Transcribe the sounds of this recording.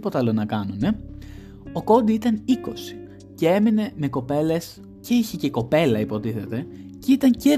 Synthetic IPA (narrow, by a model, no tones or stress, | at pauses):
po̞t̪ɐlonɐkɐnune̞ | o̞ko̞nd̪iit̪ɐniko̞si̥ | ce̞e̞mine̞me̞ko̞pe̞le̞s | ce̞içece̞ko̞pe̞lɐipo̞t̪iθe̞t̪e̞cit̪ɐɲce